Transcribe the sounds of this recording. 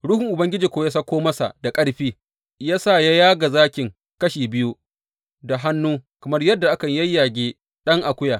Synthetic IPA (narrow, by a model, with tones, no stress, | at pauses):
ɽʊ˦hʊ˨ŋʔʊ˨bɐ˦ŋɡʲɪ˦d͡ʒiː˨kʷoː˦ja˦sɐ˦kʷoː˦mɐ˦sa̰˨da˨kʼɐ˦ɽɸiː˦ | jaː˦saː˦˨ja˦jaː˦ɡa˨zaː˦kʲɪ˨ŋ | kɐ˦ʃiː˨bɪ˦ju˦ | da˨ɦa˦nːuː˦kɐ˨mɐ˦rjɐ˦dːa˨ʔa˦kɐ˨ɲjɐ˦jːaː˨ɡʲeː˦ | ɗɐ˦ŋʔa˨kʷʊ˦jaː˨